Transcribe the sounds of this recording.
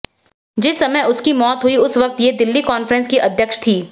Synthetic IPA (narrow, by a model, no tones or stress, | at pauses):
d͡ʒɪsːɐməjʊskimɔːt̪ɦʊiʊsʋɐk̚t̪jed̪ɪlːikɔːnfɾə̃nskiʔɐd̪ʱjəkʃt̪ʰiː